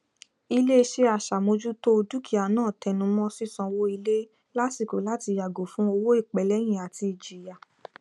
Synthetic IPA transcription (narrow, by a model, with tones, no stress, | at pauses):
i˧le˦˧ʃe˧a˨ʃa˨mo˧d͡ʒu˦to˦˧du˦kʰi˨˦a˨nãː˦˨tɛ˧nũ˨˧˦mɔ̃˦si˦sɔ̃˧wo˦i˧le˦ | la˦si˦˨ko˨la˨˦ti˧ja˨ɡo˨fũ˨˦o˧wo˦i˦˨k͡pɛ˨lɛ˨˦j̃ĩ˨a˨ti˧i˨d͡ʒi˨ja˨